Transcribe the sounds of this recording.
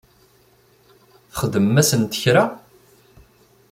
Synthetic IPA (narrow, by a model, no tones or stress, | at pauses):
θə̥χəd̪əmːæsənt̪əçɾa